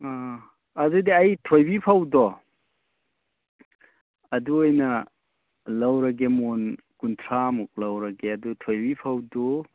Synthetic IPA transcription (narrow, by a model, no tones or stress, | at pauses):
a | ɐzɯjdiajtʰojbipʰawdɔ | ɐduojnɐ | lawɾɐɡemon | kuntʰɾamuk̚lawɾɐɡeɐdutʰojbipʰawdu